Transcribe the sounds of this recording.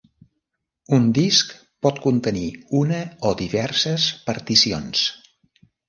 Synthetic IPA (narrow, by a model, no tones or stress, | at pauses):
und̪isk | pɔt̪kunt̪əniunəod̪iβɛrsəspəɾt̪isions